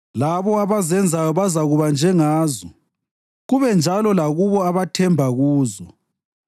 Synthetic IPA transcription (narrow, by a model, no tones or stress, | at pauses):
laβɔaβazɛnd͡zʱajɔβazaɣuβand͡ʒʱɛŋaːzɔ | ɣuβɛnd͡ʒʱalɔlaɣuβɔaβatʰɛmbʱaɣuːzɔ